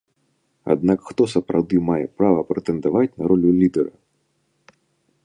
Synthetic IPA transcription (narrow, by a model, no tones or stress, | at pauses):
a̰d̪nakxt̪ɔsɐpɾawd̪ɨmajɛpɾavɐpɾɛt̪ɛnd̪avat͡sʲnɐɾɔlʲulʲid̪ɛɾɐ